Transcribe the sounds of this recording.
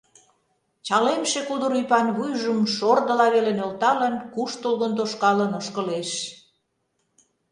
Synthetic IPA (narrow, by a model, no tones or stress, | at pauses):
t͡ɕɑlemʃekud̪əɾujpɑnβujʒəmʃord̪ə̆lɑβelenølt̪ɑlənkuʃt̪olɣənt̪̬oʃkɑlənoʃkə̆leʃ